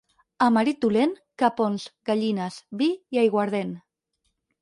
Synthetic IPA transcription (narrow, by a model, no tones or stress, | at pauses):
amaɾit̪ulen | kaponzɣaʎinazβijajɣwaɾð̞en